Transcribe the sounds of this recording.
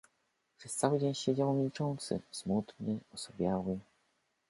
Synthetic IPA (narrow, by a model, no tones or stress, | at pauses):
pʂɛst̪sawɘd͡ʑeɲɕed͡ʑawmʲilt͡ʂɔnt̪sɘ̰smut̪ɲɛɔsɔbʲjawɘ